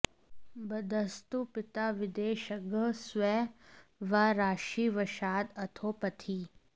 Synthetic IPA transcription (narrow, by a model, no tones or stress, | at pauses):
bɐd̪əst̪upɪt̪aːʋɪd̪eːʃɐɡəsʋɛ | ʋaɾaːʃiːʋɐʃaːd̪ɐt̪ʰoːpɐt̪ʰi